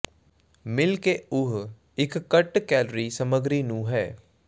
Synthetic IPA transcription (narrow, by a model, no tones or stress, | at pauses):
mɪlkeʊɦ | ɪkːɐʈkɛːlɾisɐməɡɾinũːɦɛː